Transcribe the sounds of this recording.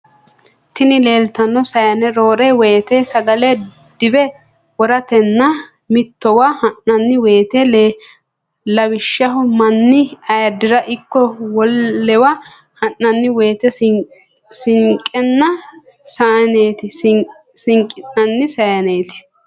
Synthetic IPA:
t̪ɪnɪle̞ːlt̪ɐnːɔsɐjɐnɛɾo̞ːɾɛweːt̪eːsɐɡɐlɛ | d̪̥ɪbɛ | wɔɾɐt̪ɛnːɐ | mɪt̪ːɔwahɐnːɐnːɪweːt̪el | lɐbɪʃːɐɦʊmɐnːɪɐjɐd̪ɪɾɐʔɪkːɔwɔlːɛwa | hɐnːɐnːɪwe̞ːt̪ɛ | sɪŋkʼɛnːɐ | saːne̞ːt̪ɪ | sɪŋkʼɪnːɐnːɪsɐjɐneːt̪ɪ̥

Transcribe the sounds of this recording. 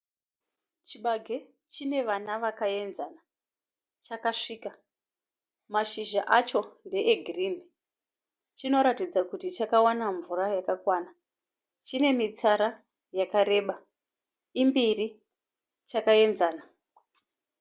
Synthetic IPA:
t͡ʃiɓaɡʱe̞ | t͡ʃine̞ʋanaʋakae̞nzana | t͡ʃakaʂiːka | maʃiʒaʔat͡ʃo̞nde̞ʔeɡʱirini | t͡ʃino̞ɾatid͡zakutit͡ʃakawanaɱvurajakakwaːna | t͡ʃine̞mit͡saɾa | jakaɾe̞ːɓa | imbiri | t͡ʃakae̞nzaːna

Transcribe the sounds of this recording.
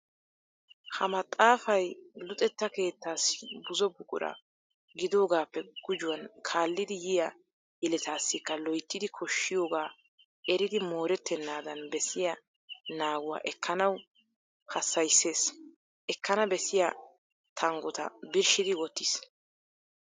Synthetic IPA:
hɐmɐt̪ʼːaːfɐjlʊt̪ʼɛt̪ːɐke̞ːt̪ːaːsbʊzɔbʊkʼʊ̰ɾɐ̰ | ɡɪd̪o̞ːɡaːpːɛɡ̥ʊd͡ʒʊwɐnkʰaːlːɪd̪ɪjɪjɐ | jɛlɛt̪aːsːɪkːɐlɔjt̪ːɪd̪ɪkʰɔʃːɪjo̞ːɡaː | ʔɛɾɪd̪ɪmo̞ːɾɛt̪ːɛnːaːd̪ɐnbɛsɪjɐ | naːɡʊwa̰ːʔɛkːɐnɐw | hɐsːɐjsːe̞ːs | ʔɛkːɐnɐbɛsɪjɐ | t̪ʰɐŋɡɔt̪ɐ̰bɪɾʃɪd̪ɪwɔt̪ːɪs

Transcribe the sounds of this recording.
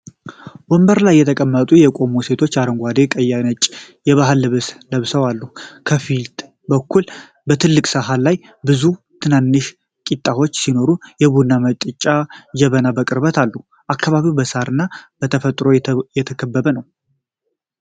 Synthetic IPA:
wɔmbəɾlajːɛt̪ʰəkʼəmːət̪ʼujɛkʼo̞muse̞t̪ʰo̞t͡ʃːaɾəŋɡʷad̪e̞kʼəjːanət͡ʃʼ | jɛβaɦɨlːɨβɨsləβsəwalːukʰəfilt̪ʼ | bəkʰːul | bət̪ʰɨlːɨkʼsəɦalːaj | bɨzu | t̪ʰɨnanːɨʃ | kʼit̪ʼːaho̞t͡ʃːsino̞ɾujɛβunːamət͡ʃt̪ʼɨt͡ʃʼːad͡ʒɛβənabəkʼɨɾbət̪ʰalːu | ʔakːaβaβiwbəsaɾɨnːab̥ət̪ʰəfət̪ʼɾo̞jɛt̪ʰəkʰəbːəβənəw

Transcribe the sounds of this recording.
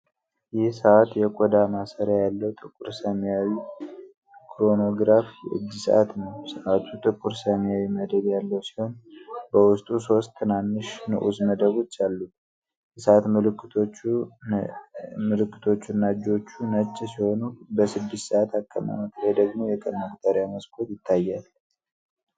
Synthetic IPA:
jɪhsəʔat̪jɛkʷʼɔd̪amasəɾjajalːəwt̪ʼɨkʼːuɾsəmjawi | kʰɾo̞no̞ɡɾafijɛ̰ʔɨ̰d͡ʒːisə̰ʔat̪nəwsəʔat̪ʰut̪ʼɨkʼuɾsəmjawiməd̪əbjalːəwsi̥ho̞nbəwʊst̪ʼuso̞st̪ʰːɨnanːɨʃnə̰ʔuzməd̪əβo̞t͡ʃːalːu | səʔat̪mɨlɨkːɨot͡ʃ | mɨlɨkːɨ̥t̪ʰo̞t͡ʃːunːad͡ʒo̞t͡ʃːunət͡ʃːɛsiho̞nubəsɨd̪ːɪst̪səʔat̪ʰakʼːəma̰mək̪ʰɾed̪əɡmo̞jɛkʼənakt̪ʰaɾjaməskʰʼo̞t̪jɪt̪ʰːajːal

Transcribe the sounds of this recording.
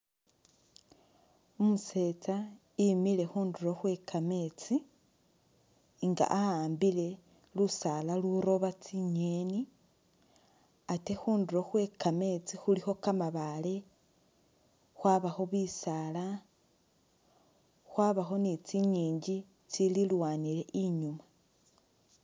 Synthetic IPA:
omuse̞t͡sa | imile̞xuːnduɾo̞xwe̞kʰame̞t͡si | ŋɡa̰ʔahaːmbile̞ | lusalaluɾo̞βat͡siɲeni | ate̞xuːnduɾo̞xwe̞kame̞t͡sixulixo̞kamaβale̞ | xwaːβaxo̞βisala | xwaːβaxo̞nit͡siɲiːɲɟi | t͡sililwaːniɾe̞ʔiɲuma

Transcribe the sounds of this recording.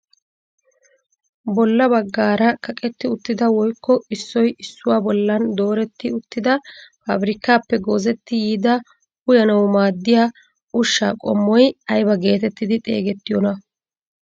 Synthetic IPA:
bɔlːɐbɐɡːaːɾɐkʰɐkʼɛt̪ːɪʊt̪ːɪd̪ɐwɔjkːɔɪsːɔjɪsːʊwaːbɔlːɐnd̪o̞ːɾɛt̪ːɪʊt̪ːɪd̪ɐfa̰bɾɪkːaːpːɛɡoːzɛt̪ːɪjiːd̪ɐ | hʊjɐnɐwmaːd̪ːɪjaː | ʊʃːa̰ːkʼɔ̰mːɔjɐjbɐɡe̞ːt̪ɛt̪ːɪd̪ɪt̪ʼe̞̰ːɡɛt̪ːɪjɔnɐ

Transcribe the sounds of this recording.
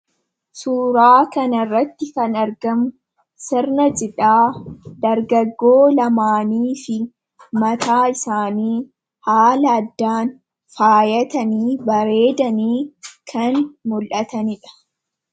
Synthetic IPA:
suːɾaːkɐnɐrːɐt̪ːɪkɐnɐɾɡɐm | sɪrnɐd͡ʒʼɪᶑaːd̪̥ɐɾɡɐɡːoːlɐmaːniːfɪ | mɐt̪aːɪsaːniː | haːlɐːd̪ːaːn | faːjɐt̪ɐniːbɐɾe̞ːd̪ɐniːkʰɐnmʊlʔɐt̪ɐnɪᶑɐ̥

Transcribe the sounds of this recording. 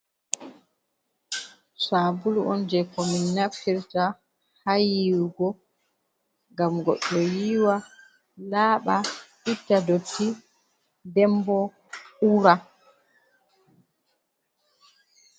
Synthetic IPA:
saːbulɔ̰nd͡ʒɛkɔminːafiɾta | hajiwɡɔ | ŋɡamɡɔ̰ɗːɔjiːwa | laːɓaʔitːadotːi | dɛmbɔ | uɾa

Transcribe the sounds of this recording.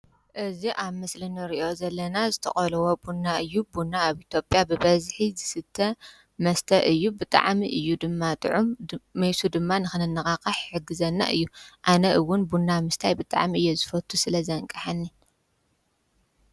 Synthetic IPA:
ʔɨziʔaβmɨslɨnɨɾiʔo̞zɐlːɐnazɨt̪ʰɐ̰χʼɐlɐwobunːaɨjːubunːaːβit̪ʰjo̞pʼjabɨβɐzħizɨsɨt̪ʰːɐ | mɐst̪ʰɐʔɨjːubɨt̪ʼa̰ʕmiʔɨjːud̪ɨmːat̪ʼɨʕumːɐjsud̪ɨmːanɨxɨnɨnːɐxʼakʼɐħħɨɡɨzɐnːa̰ʔɨjːuʔanɐʔɨwːʊnbunːamɨst̪ʰajbɨt̪ʼa̰ʕmiɨjːozɨfɐt̪ʰːusɨlɐzɐŋkʼɐħanːi

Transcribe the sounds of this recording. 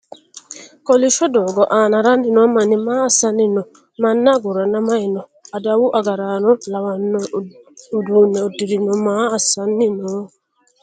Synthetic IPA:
kɔliʃɔdɔɡɔʔanaɾandinɔmanimaasanːinɔ | manːaɡuɾanamaɪnɔadawuʔaɡaɾanɔlawanːɔodunɛodiɾinɔmaasanːinɔ

